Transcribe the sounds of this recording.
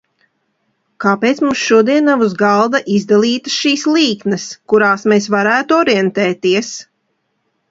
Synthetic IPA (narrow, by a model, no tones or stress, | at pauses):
kaːpeːt̪smumsʃuɔd̪iɛnːavuzɡalˠd̪aʔizd̪alˠiːt̪ɨ̥sʃiːslˠiːknɐskuɾaːsmes̬vaɾæːt̪uɔɾɛnt̪ɛːt̪iɛs